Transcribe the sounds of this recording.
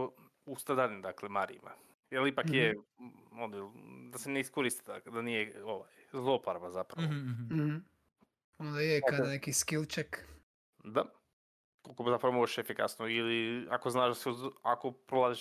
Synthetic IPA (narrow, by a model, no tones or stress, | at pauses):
ust̪ad̪alʲind̪aklemaɾḭima̰ | jelipakjeonjeld̪aseneiskoɾist̪i̥d̪akled̪anijeoʋajzlˠopaɾabazapɾaʋoh | ond̪ajekad̪nekiskilˠt͡ʃek | d̪a | kolˠkomzapɾaʋomoʒeʃefika̰snoiliakoznaːʒd̪aseakopɾolaːziʃ